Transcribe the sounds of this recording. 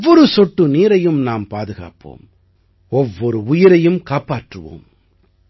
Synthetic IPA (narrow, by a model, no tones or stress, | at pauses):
ɔɾɯsɔʈːɯniːɾɐjɯmnaːmpaːðɯɣa̰ːpo̰ːm | ɔʋːɔɾɯʊjɪɾɐjɯmkaːpaːʈrɯʋo̰ːm